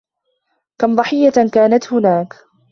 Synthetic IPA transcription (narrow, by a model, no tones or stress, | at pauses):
kamd̪ˤɑħɪjːakaːnat̪hʊnaːk